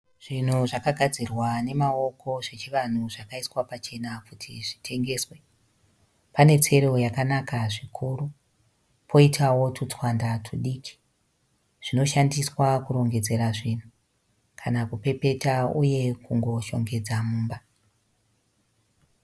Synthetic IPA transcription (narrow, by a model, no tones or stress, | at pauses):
ʐ̥in̤uʐakaɡʱad͡zirwane̞mao̞kʰo̞ʐe̞t͡ʃiʋan̤uʐakaiswapat͡ʃe̞nakutʰḭʐi̥tʰe̞ŋɡe̞ːswe̞ | pane̞t͡se̞ɾo̞jakanakaʐikʰuru | pʰo̞itʰawo̞tut͡swandatʰuɗiːkʰi̥ | ʐ̥ino̞ʃandiswakuɾo̞ŋɡe̞d͡ze̞ɾaʐin̤u | kʰanakupe̞pe̞tauje̞kuŋɡo̞ʃo̞̰ŋɡe̞d͡zamuːmba